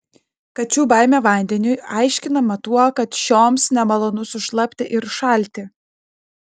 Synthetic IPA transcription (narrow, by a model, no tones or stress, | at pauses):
kɐt͡ʃʲuːbɑɪmʲɛʋɐˑnʲd̪ʲɛnʲʊjɑˑɪʃʲkʲɪnɐmɐt̪uɔkɐt̪ʃʲoːmsnʲɛmɐlˠoːnʊsʊʃlˠɐpʲt̪ʲɪʔɪɾʃɐˑlʲˑt̪ʲɪ